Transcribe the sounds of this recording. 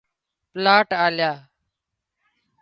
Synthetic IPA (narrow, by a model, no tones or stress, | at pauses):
plaːʈaːljaː